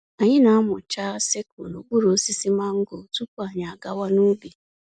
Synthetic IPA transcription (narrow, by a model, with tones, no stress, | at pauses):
a˨ɲɪ˦na˨˦a˦mʊ˨t͡ʃa˦se˦kʊ˨no˨ɡ͡bu˦ɾo˨˦si˦si˦ma˦ŋ̩˦ɡo˨tu˦k̚u˦a˨ɲa˨a˨ɡa˦wa˦nu˦bi˨